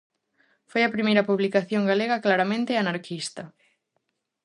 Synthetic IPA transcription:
fojɐpɾimejɾɐpuβlikaθjoŋɡaleɣɐklaɾamẽnt̪ɪanaɾkʰist̪ɐ

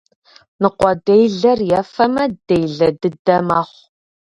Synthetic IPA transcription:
nɨqʷɔdejɮɐrjɛfɐmɐd̥ejɮɐdɨdɐmaːχʷ

